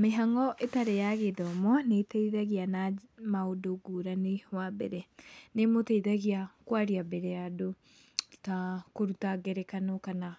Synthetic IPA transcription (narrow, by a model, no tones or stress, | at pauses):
meɦaŋɔʔetaɾejaɣeðɔmɔnetɛiðaɣianamaodoɡuɾanewabɛ̰ɾɛnemotɛiðaɣiakwaɾiabɛɾɛado | takoɾutaɡɛɾɛkanokana